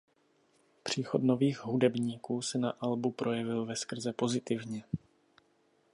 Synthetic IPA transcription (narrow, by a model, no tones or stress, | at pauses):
pr̝̥iːxo̞d̪no̞viːɣɦudɛbɲiːkuːsɛnaʔalbupɾʔo̞jɛvɪlvɛskr̩zɛpo̞zɪt̪ɪvɲɛ